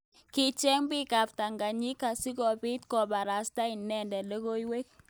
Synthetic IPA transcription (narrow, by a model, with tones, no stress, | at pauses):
kɪ˨t͡ʃɛ˦ŋbɪ˦ka˨p̚ta˨ŋɡa˨ɲi˦ka˨sɪ˦kɔ˨pɪ˦tkɔ˨ba˨ɾa˨sta˦ɪ˨nːɛ˦ndɛ˨le˦ko˦jwe˦k̚